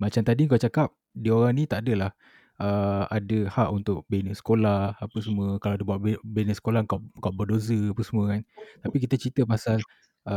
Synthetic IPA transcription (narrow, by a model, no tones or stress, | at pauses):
mat͡ʃamt̪adiŋk̬awt͡ʃakap̚ | dioɾaŋnĩt̪aʔadəlah | əadəhaʔunt̪ʊk̚benəsə̥kolahapəsmuəkalaadəbuaʔ̚benəsə̥kolaəŋkawŋkawʔbədos̬əapəsmũə̃kant̪apik̬it̪ət͡ʃit̪əmasal | ə